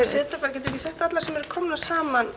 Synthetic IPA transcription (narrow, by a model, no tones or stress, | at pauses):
ɛ̥sɪðt̪ɾafaɾcɛt̪ːkjisɛht̪at̪laɾsɛmɛɾʏ̥kʰɔmnḁsaːman